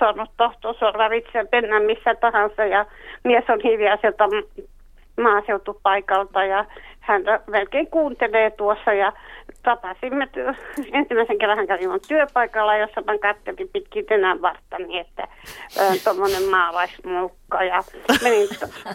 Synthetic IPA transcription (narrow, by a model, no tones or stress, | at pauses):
sornut̪t̪ɑht̪oːsorːɑʋit̪sepenːæmːisːæt̪ɑhɑnsɑjɑmiesonhiʋielsielt̪ɑ | mɑːseut̪upɑikɑlt̪ɑjɑhænt̪æmelkeiŋkuːnt̪eleːt̪uosːɑjɑt̪ɑpɑsimːet̪ensimˑæiseŋkerːɑ̃hæŋkæʋimontt̪yøpɑikɑlːɑjosːɑmæŋkɑt̪ːelipit̪kint̪enæʋʋɑrt̪ːɑniet̪ːæ̰nt̪omːonemmɑːlɑismuːkːɑjɑmenino